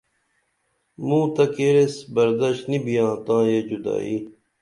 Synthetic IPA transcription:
mũːt̪ɐkeːɾesbɐɾd̪ɐɕt̪nibʱijãːt̪ãːjed͡ʑud̪a̰ːi

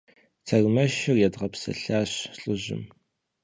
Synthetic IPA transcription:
t͡sʰɐrmɐʃɪrjadʁɐpsɐ̰ɬaːɕɬʼɨʑɪ̰m

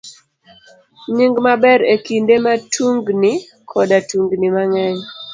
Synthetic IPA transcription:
ɲɪŋɡmabɛɾekindematʰuŋɡni | kʰɔdatuŋɡnimaŋɛɲ

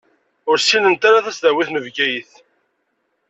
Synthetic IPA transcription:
ʊɾsːinənt̪aɾaðæsðæwiθnəvɡæjθ

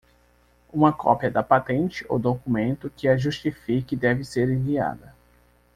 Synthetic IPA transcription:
ũmɐkʰɔ̰pjɐd̪ɐpat̪ẽnt͡ʃɪo̰wd̪okumẽnt̪ʊkɪɐʒuʃt͡ʃifikɪd̪ɛvɪseɾĩvia̰d̪ɐ

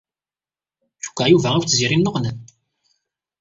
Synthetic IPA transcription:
θu̥kʷːæjuvææwt͡sːziɾinːoʁnən

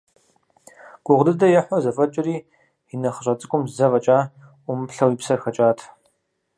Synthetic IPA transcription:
ɡ̥ʷʼʊʁdɨdɐjɛħʷɔzɐfʼɐt͡ʃʼɪriː | inɐχəɕʼɐt͡sʼɨkʷʼʊmzzɐvɐt͡ʃʼaː | ʔʷʊmɨpɬɐwipsɐrxɐt͡ʃʼaːtʰ

